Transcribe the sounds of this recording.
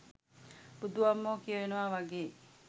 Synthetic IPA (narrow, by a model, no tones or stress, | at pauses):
bud̪uʋamːoːkijəʋenəʋaʋaɡeː